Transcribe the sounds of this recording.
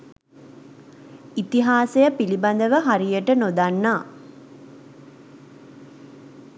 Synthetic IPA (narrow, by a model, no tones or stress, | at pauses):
it̪iɦaːsejəpiliband̪əʋəɦaɾijəʈənod̪anːaː